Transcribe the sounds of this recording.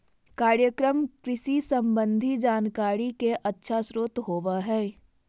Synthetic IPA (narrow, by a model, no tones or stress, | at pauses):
kaːɾjəkɾəmkɾɪʃisə̃mbə̃nd̪ʱid͡ʒaːnkaːɾikeʔətːʃʰasɾoːt̪ɦoːʋaɦɛː